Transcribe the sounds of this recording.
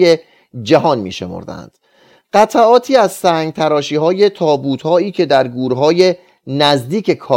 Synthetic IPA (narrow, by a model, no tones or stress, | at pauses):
je | d͡ʒæɦɒːnmḭːʃe̞̰mo̰ɾd̪æ̰nd̪̥ | ɢ̥æt̪ʰæʔɒːt̪ʰiːæzsæːŋɡt̪ʰæɾɒːʃiːɦɒːje̞t̪ʰɒːbuːt̪hɒːiːcʰe̞d̪æɾɡuːɾɦɒːje̞ | næzd̪iːcʰekʰɒː